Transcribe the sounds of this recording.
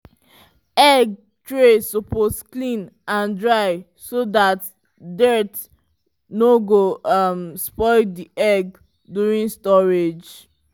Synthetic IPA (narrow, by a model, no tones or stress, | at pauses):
ɛɡ | tɹesɔposklĩnãndɹaɪ | sodat | dɛt | noɡomspɔɪdiʔɛɡ | duɹĩnstɔɹed͡ʒ